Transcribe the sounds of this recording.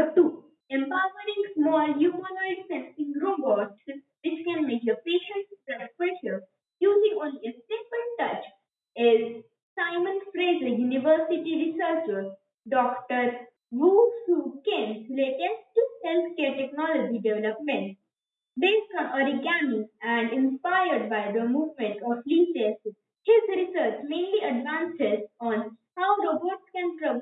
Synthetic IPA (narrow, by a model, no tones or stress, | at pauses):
ət̪uː | ẽmpaʊɾʋəɾɪ̃ŋɡsmɔːljuːmənaɪɖsɛ̃nsɪ̃ŋɡɾoːbɔʈs | ʋɪt͡ʃkɛ̃nmekəpeːʃə̃ɳʈpɾafɛʃəɾ | juːzɪ̃ŋɡɔ̃niəsʈeʈ̚mẽɳʈʈɐt͡ʃ | ɛz | saɪmə̃nfɾẽɖejuniʋəɾsiʈiɾisəɾt͡ʃəz | ɖɔːkʈəɾ | ʋuːsukẽmsleʈẽmsʈusẽnsʈeʈeknɔlɔd͡ʒiɖeʋɛləpmẽɳʈ | d̪eːkə̃məɾiɡæniæ̃ɳɖɪ̃nspaɪəɾɖ̚baɪd̪əmuːʋmẽɳʈɔfliːses | hɪzɾɪsəɾt͡ʃmẽːnliəɖʋãːnsɪsɔ̃nhaʊɾoːbəɾʈskɛ̃npɾə